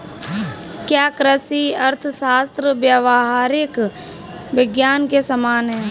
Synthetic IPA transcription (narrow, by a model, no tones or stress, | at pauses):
kjaːkɾəsiɐɾt̪ʰʃaːst̪ɾəbjəʋaɦaːɾɪk | ʋɪɡjaːnkesəmaːnɦɛː